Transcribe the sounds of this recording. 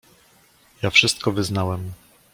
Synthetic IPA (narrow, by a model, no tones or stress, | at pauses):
jafʂɘst̪̚kɔvɘznawɛm